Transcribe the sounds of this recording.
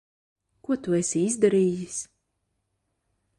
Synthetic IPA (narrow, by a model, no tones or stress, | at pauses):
kuɔt̪uɛsʲiizd̪aɾiːjis